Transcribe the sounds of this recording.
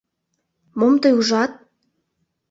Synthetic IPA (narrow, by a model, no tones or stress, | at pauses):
momt̪ɤjuʒɑt̪̚